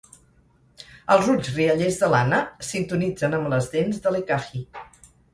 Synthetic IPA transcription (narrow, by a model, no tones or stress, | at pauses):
əlˠzuzriəʎezðəlanəsint̪unid͡zənəmləzðenzðəlekaxi